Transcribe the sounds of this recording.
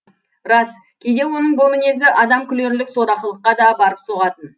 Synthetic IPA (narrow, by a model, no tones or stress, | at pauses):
ɾɑs | kʲʰe̞jd̪e̞wo̞nəɴbomˠɪne̞zɪʔɑd̪ɑmkʲʰʏle̞ɾlɪkso̞ɾɑqəlˠəqːɑd̪ɑbɑɾəpso̞ʁɑt̪ən